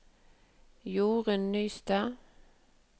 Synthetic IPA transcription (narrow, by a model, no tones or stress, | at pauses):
juːʁənːyːst̪ɑ